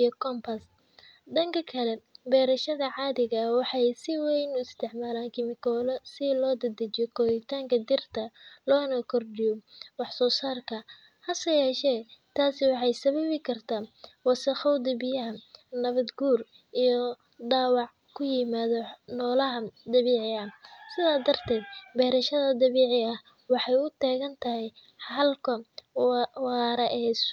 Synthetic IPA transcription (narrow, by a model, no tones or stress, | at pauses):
ijɔkʰɔmpʰɐs | ɖɐŋkʰɐkʰɐlɛbɛːɾɐʃɐðɐʕɑːðɪɣɐwɑħɑjsɪwɛjnʊɪst̪ʰɛʕmaːlaːŋkʰɪmɪkʰɔːlɔsɪlɔːd̪ɐd̪ɐt͡ʃjɔkʰɔːðɪt̪ʰaːŋkʰɐd̪ɪrt̪ʰɐlɔːnɐkʰɔrɖɪjɔwɑħsɔːsaːrkʰɐ | hɐsɐjɛːʃɛːt̪ʰaːsɪwɑħɑjsɐβɐβɪkʰɐrt̪ʰaːwɑsɐxɑwd̪ɪbɪjɐɦɐnɐβɐd̪ɡuːr | ʔijɔ | d̪aːwɑʕ | kʰʊjɪmaːðɔnɔːlɐɦɐd̪ɐβɛːʕɪɐsɪðaːd̪ɐrt̪ʰɛːd̪̚bɛːɾɐʃɐðɐd̪ɐβɛːʕɪɐh | wɑħɑjʊt̪ʰɛːɣɐnt̪ʰɐɦɛj | ħɑlkʰɐ | wɑːɾɐʔɛːs